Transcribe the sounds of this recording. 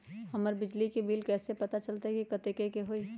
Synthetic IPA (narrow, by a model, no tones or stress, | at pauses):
hɐməɾbɪd͡ʒlikebiːlkɛːsepɐt̪at͡ʃɐlt̪aɦɛkikɐt̪eːkekeɦoːiː